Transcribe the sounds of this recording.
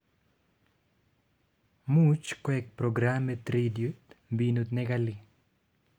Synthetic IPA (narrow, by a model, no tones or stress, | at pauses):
mut͡ʃkwɛk̚pɾɔɡɾamɛt̪ɾidjut̪mbinot̪nɛɡali